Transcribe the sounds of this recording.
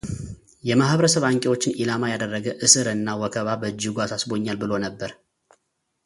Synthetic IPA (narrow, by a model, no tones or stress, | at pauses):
jɛmahβəɾəsəβaŋkʼewo̞t͡ʃːɪnʔilamajad̪ərːəɡəʔɨsɨɾɨnːawɔkʰəβabəd͡ʒːɪɡʷasasbo̞ɲːalbɨlo̞nəbːəɾ